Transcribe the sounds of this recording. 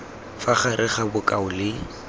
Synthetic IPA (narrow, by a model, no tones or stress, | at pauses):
faχaɾʔɪχabʊkʼaʊlɪ